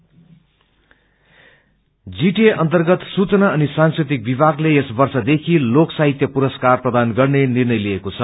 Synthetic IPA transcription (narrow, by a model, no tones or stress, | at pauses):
d͡ziʈieʔʌnt̪ʌrɡʌt̪sut͡sʌnaʌnisanskrit̪̬ik̚bibʱaɡleesbʌrsʌd̪ekʰiloksaɦit̪jʌpuɾʌskarprʌd̪anɡʌrnenirnʌjliekot͡sʰʌ